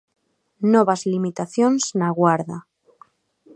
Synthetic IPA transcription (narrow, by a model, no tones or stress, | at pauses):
noβazlimit̪aθjonz̥naɣwaɾða